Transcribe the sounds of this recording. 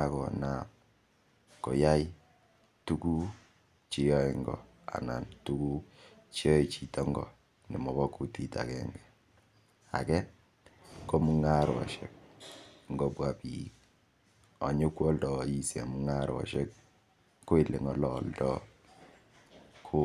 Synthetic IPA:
a˦kɔ˨na˨p | ko˨ja˦ji˦ | tu˦ku˦ | t͡ʃi˦jɔ˦e˨ŋɡɔ̰˨ | a̰˨na˨ntu˦ku˦t͡ʃi˦ɔ˦i˨t͡ʃi˨tɔ˦ŋɡɔ̰˨ | nɪ˨mɔ˨bɔ˦ku˦ti˦ta̰˨kɛŋɡɛ˨ | a̰˨kɛ˦ | ko˦mu˦ŋa˦ɾwɔ̰˨ʃɛ̰˦k̚ŋɡo˦pwa˦pi˨k̚ | ɔ˨ɲʊ˦kwɔ˦ldɔ˨i˨se˨mu˨˦ŋa˦ɾwɔ̰˨ʃɛ˦k̚ː | o˦i˨le˨ŋɔ˨lɔ˨ldɔ˦ | kʰo˦

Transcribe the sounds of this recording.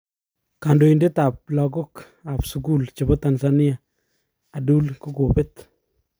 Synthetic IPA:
ka˨ndo˨inde˦t̪a˨p̚lɔ˨ɡo˦k | a˨psuku˦lt͡ʃe˨bɔ˦t̪a˨nsani˦a˨ | a˨du˦lko˦ko˨pe˦t̪

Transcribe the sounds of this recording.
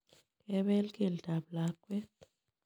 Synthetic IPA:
kɛβɛ˦lkʼi˨ldʱa˨blakʼwɛ˦t

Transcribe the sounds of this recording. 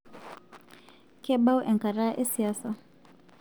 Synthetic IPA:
kɛ˦ɓa˦u˦ʔɛ˨ŋka˨ɾa˦ʔɛ˦si˨aː˦sa˨

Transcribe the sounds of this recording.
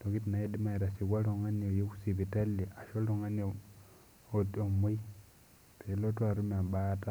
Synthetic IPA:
toki˦t̬ina˨edima˦iɾa˨si˨ɣa˦lo˨ŋa˦no˨jo˦ku̥si˨βita˦le˨a˨ʃoloŋa˦no | oo˨mwi˦ | telotwa˨ɾu˦ma˨bata

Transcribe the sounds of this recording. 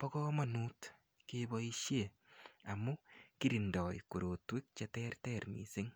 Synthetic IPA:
pɔ˦kɔ˦ma˨nuː˦t | kebɔi˦ʃje | a˨mu˦ki˦ɾindɔ˨j̰ko˨ɾo˨twe˦k̚t͡ʃetɛ˦rtɛɾnḭ˨se˦ŋ

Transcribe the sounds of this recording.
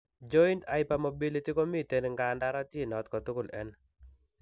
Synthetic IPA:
d͡ʒɔ˦i˦nta˦ɪ˦pa˨mo˨bi˦li˦ti˦ko˦mi˦te˨n˨ŋɡa˨nda˦ɾa˦tje˦˨nɔ˨t̪kɔ˨tʊ˦kʊ˨lɛ̰˦n

